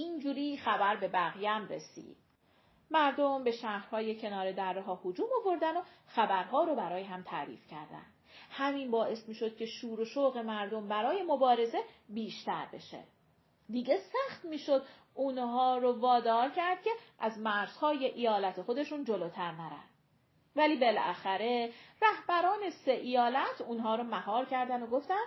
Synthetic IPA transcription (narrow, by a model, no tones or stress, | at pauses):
iːnd͡ʒuːɾiːxæbæɾbe̞bæɣjæmɾe̞̰sḭːd̪̥̚ | mæɾd̪o̞mbe̞ʃæhɾ̥hɒːje̞cʰe̞nɒːɾe̞d̪æɾːeɦɒːhod͡ʒuːmovo̞ɾd̪ænoxæbæɾɦɒːɾobæɾɒːjeɦæmt̪ʰæɾḭːfcʰæ̰ɾd̪æ̰nd̪̥hæmiːnbɒːʔe̞smiːʃo̞d̪̥̚cʲʰe̞ʃuːɾoʃoɣe̞mæɾd̪o̞mbæɾɒːje̞mobɒːɾe̞ze̞biːʃt̪æɾbe̞̰ʃḛ | d̪iɟe̞sæxt̪miːʃo̞d̪ | unɦɒːɾovɒːd̪ɒːɾcʰæɾd̪̥̚cʲʰe̞ʔæzmæɾz̥hɒːje̞ʔijɒːlæt̪ʰexo̞d̪e̞ʃuːnd͡ʒo̞loːt̪ʰæɾnæɾæ̰nd̪̥ | væliːbe̞læ̰xæɾe̞ræhb̥æɾɒːne̞seʔijɒːlæt̪ʰuːnɦɒːɾomæhɒːɾcʰæɾd̪ænoɡoft̪æn